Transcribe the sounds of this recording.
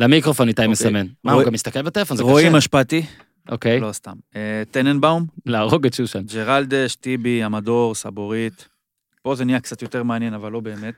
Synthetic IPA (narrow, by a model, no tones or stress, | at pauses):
lamikʁofo̞nːit̪ajmesamenmahuɡamist̪akelbet̪elefonzeʁoiimaʃpaːt̪i | ʔokejlo̞st̪amet̪enenbawmlaːʁoɡetʃuʃand͡ʒeʁald̪eʃt̪ibiamad̪o̞ʁsaboʁit̪ | po̞zenijakt͡sat̪jo̞t̪eʁmeanjenavalːo̞beːmet̪